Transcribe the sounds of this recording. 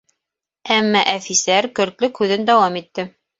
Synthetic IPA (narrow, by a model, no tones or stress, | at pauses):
æmːæʔæfisæɾkɵ̆ɾt̪lɵkʉðɘnd̪ɑwɑmit̪ːɘ